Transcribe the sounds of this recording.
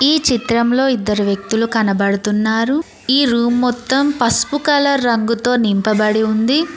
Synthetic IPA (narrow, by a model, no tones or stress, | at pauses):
iːt͡ʃit̪ɾɐmlo̞ːid̪ːɐɾuʋjɐk̚t̪ulukɐnɐbɐɽut̪unːaːɾu | iːɾuːmːɔt̪ːɐmpɐspukɐlɐːɐŋɡut̪o̞ːnimpɐbɐɽiund̪i